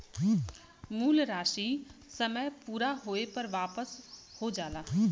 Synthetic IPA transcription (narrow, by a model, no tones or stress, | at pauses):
muːlɾaːʃisəməjpuːɾaɦoːepɐɾʋaːpəshod͡ʒaːlaː